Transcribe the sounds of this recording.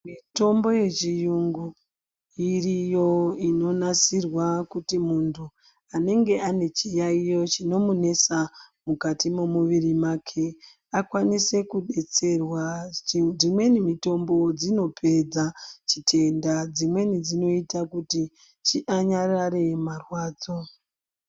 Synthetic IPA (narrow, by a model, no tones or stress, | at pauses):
mito̞mbo̞je̞t͡ʃijuŋɡu | irijo̞ino̞nasirwakutimuntʰu | ane̞ŋɡe̞ʔane̞t͡ʃijaijo̞t͡ʃino̞mune̞samukatimomuʋirimakʰe̞ | akwanise̞kuɗe̞t͡se̞rwa | imwe̞nimito̞mbo̞d͡zino̞pʰe̞d͡zat͡ʃitʰe̞ndad͡zimwe̞nid͡zino̞itakuti | t͡ʃiʔaɲarare̞marwaːd͡zo̞